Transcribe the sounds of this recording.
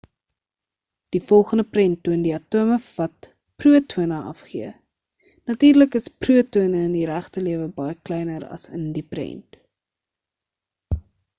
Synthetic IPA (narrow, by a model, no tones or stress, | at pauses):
d̥ifɔlˠχəndəprɛntːuəndiɐtuəməfvɐt̚ | pruətʰuənəʔɐ̰fχiə | nɐtiːrləkəspruətuənəəndiɾæχtəliəvəbɐjəklɛjnəɾɐ̰sə̰ndiprɛ̰nt